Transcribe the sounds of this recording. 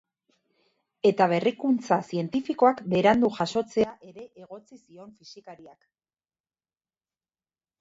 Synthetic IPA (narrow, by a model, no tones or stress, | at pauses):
e̞t̪aβ̞e̞rikunt͡sasie̞nt̪ifiko̞akbe̞ɾand̪uʝaso̞t͡se̞aʔe̞ɾe̞ʔeɣ̞o̞t͡sisio̞nfisikaɾiak